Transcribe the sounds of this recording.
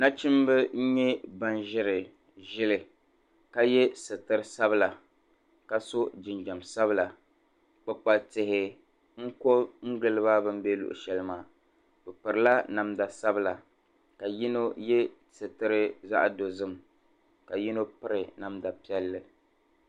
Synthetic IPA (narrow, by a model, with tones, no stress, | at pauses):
na˦t͡ʃɪ˦m˦bɨ˦ɲ̩˦ɲɛ˦ba˦nʒɪ˦ɾɪ˨ | ʒɪ˦lɪ˨ | ka˦jɛ˦sɨ˨tɨ˦ɾɨ˦sa˦bɨ˦la˨ | ka˦so˦d͡ʒɪ˨nd͡ʒa˨msa˦βɨ˦la˨ | k͡pɨ˦k͡pa˨tɪ˨hɪ˦ | ŋ̩˦ko˦ŋ̩˦ɡɨ˦˨lɨ˦βaː˦bɨ˦m̩˦bɛ˦lṵ˨ʔʊ̰˨ʃɛ˨lɨ˦maː˨ | bɨ˨pɨ˨ɾɨ˨la˦na˨mda˨sa˦bɨ˦la˨ | ka˨ji˦no˦jɛ˦ | sɨ˨tɨ˦ɾɨ˦za̰˦ʔdo˨zɨ˦m | ka˨ji˦no˦pɨ˦ɾɨ˨na˨mda˨pi˦ɛ˦lːɨ˦